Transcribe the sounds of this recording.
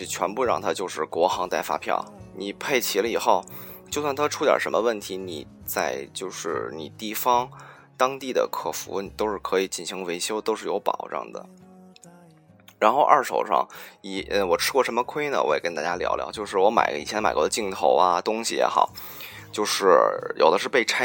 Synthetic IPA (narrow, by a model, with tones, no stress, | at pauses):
t͡ɕʰɥɛ˧˥npu˥˧ɻɑ̰˥˩ŋt̪ʰa˥t͡ɕjo˥˧ʊʂɻ̩˥˩kwɔ˧˥xɑ˧˥ŋt̪a˥˩ɪfa̰˥pʰjɑ̰˥˩ʊni˨˩pʰe˥˩ɪt͡ɕʰi˧˥lə˧i˨˩xo˥˩ʊ | t͡ɕjo˥˧ʊswa˥˩nt̪ʰa˥ʈ͡ʂʰu˥t̪jə̰˨˩ʂə˧˥mə˧wə˥˩nt̪ʰi˧˥nḭ˨˩ | t͡sa˥˧ɪt͡ɕjo˥˧ʊʂɻ̩˥˩ni˨˩t̪i˥˩fɑ˥ŋ | t̪ɑ˥ŋt̪i˥˩d̪ə̰˩kʰɤ˥˩fṵ˧˥ni˨˩t̪o˥ʊʂɻ̩˥˩kʰɤ˧˥i˨˩t͡ɕi˥˩nɕi˧˥ŋwe˧˥ɪɕjo˥ʊt̪o˥ʊʂɻ̩˥˩jo˧˥ʊpɑ̰˨˩ʊʈ͡ʂɤ̰˥˩ŋd̪ə̰˩ | ɻa˧˥nxo˥˧ʊʔɐ˞˥˩ʂo̰˨˩ʊʂɑ̰˥˩ŋi˧˩ə˧wɔ˨˩ʈ͡ʂʰɻ̩˥kwɔ˥˩ʂə˧˥mə˧kʰwe˥ɪnə̰˨wɔ˧˥jkə˥nt̪a˥˩t͡ɕja˥ljɑ̰˧˥ʊljɑ̰˧ʊt͡ɕjo˥˧ʊʂɻ̩˥˩wɔ˧˥ma̰˨˩ɪ˧ḭ˨˩jɛ˧˥n˥ma˨˩ɪkwɔ˧˥ə˧t͡ɕi˥˩ŋt̪ʰo˧˥ʊɐ̰˧t̪ʊ˥ŋɕi˨jɛ̰˧˥xɑ̰˨˩˦ʊ | t͡ɕjo˥˧ʊʂɻ̩˥˩jo̰˨˩ʊd̪ə˦ʂ̬ɻ̩˥˧pe˥˧ɪʈ͡ʂʰa˥